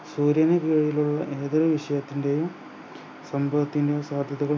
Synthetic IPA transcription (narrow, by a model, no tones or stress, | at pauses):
suːɾjɐnɐkiːɻijiluɭːɐʔe̞ːðɐɾɐʋiʂɐjɐt̪ːinde̞jum | sɐmbʱɐʋɐt̪ːinde̞jumsaːd̪ʱjɐðuɣɐɭ